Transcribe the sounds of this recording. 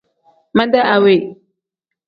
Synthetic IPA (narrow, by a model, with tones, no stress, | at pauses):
ma˦nda˦ʔa˨we˨